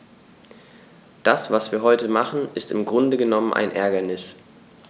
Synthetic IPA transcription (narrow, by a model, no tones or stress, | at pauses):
d̥asv̥asv̥iːɐɦɔʏtəmaχn̩ʔɪstɪmɡʁʊndəɡənɔmənʔa̰ɪnʔɛɐɡɐnɪs